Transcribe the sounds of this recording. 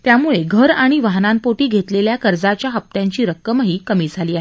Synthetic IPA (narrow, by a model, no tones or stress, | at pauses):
t̪jamuɭeɡʱəɾaɽ̃iʋaɦnampoʈiːɡʱet̪leljakəɾd͡zat͡ɕjaɦəp̚t̪jaɲt͡ɕiːɾəkːəmɦiːkəmiːd͡zʱaliːaɦe